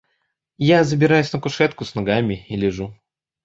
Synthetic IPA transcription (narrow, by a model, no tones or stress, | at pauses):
jazəbʲɪɾajʊsʲnəkʊʂɛt̪kʊsnɐɡamʲɪilʲɪʐu